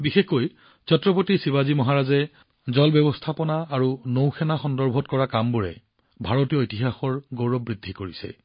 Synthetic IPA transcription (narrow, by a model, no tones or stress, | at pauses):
bixexkoj | t͡ʃɔtɹɔp̬otisibazimɔɦaɹazɛ | zɔlbjɔbɔstʰapɔnaːɹunowxʰɛnaxɔndɔɹbʱɔtkɔɹakambuɹɛ̰ | bʱaɹɔtijɔjtiɦaxɔɹɡowɹɔb̚ɹidʱːikoɹisɛ̰